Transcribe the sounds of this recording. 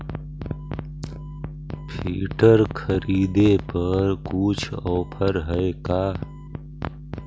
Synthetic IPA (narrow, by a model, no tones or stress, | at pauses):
pʰiːʈəɾkʰəɾiːd̪epəɾkuːt͡ʃʰɔːpʰəɾɦəekaː